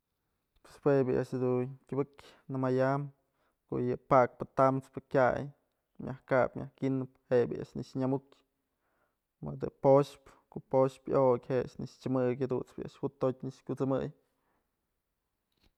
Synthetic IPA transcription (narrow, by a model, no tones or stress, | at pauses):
pwespwebʲɨʔa̰ʔʃhd̪unkʲubɨkʲ | nɨmajam | ko̰ʔjɨpak̚pɨt̪amt͡spɨkʲaj | mʲjahkapmʲahkʲinɨphebʲɨ̰ʔa̰ʔʃnɨʂɲamukʲ | mɨd̪ɨpoʃpkoʔpoʃpjokʲheʔa̰nɨʂt͡ʃɨmɨkʲhed̪ṵnt͡spɨ̰ja̰ʔʃhut̪ːot̚ʲɲɨʂkʲut͡sɨmɨj